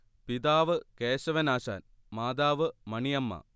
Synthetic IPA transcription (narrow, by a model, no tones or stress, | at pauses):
pid̪aːʋɨkeːɕɐʋɐnaːɕa̰ːn | maːd̪aːʋɨmɐɳijɐmːɐ̰